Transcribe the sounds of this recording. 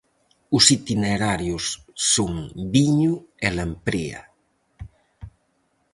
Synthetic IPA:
ʊsit̪ineɾaɾjʊsːoŋbiɲuelampɾea̰

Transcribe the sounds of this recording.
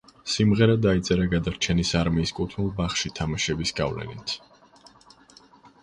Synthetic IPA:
simʁɛɾad̪ait̪sʼɛɾaɡad̪aɾt͡ʃʰɛnisaɾmiːskʼut̪ʰnilˠbaχʃit̪ʰamaʃɛbisɡa̰vlɛ̰nḭt̪ʰ

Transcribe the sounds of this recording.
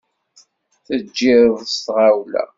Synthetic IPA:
θəd͡ʒːɪɾðst̪ʁawlæ̰

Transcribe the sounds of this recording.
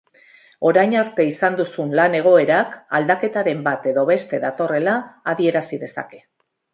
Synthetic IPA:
o̞ɾajɲaɾt̪e̞isand̪usunlane̞ɣ̞o̞e̞ɾakald̪ake̞t̪aɾe̞mbat̪e̞ðo̞βe̞st̪e̞ðat̪o̞re̞laːðie̞ɾasiðe̞sa̰ke̞̥

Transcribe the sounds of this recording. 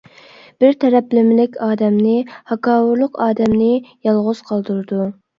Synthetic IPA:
b̥ɪɾt̪ʰɛɾɛplɪmɪlɪkʲɑːd̪ɛmnɪhɑkɑːwʊɾlˠʊqɑːd̪ɛmnɪjɑlˠʁʊz̥qʰɑlˠd̪uɾɨd̪u

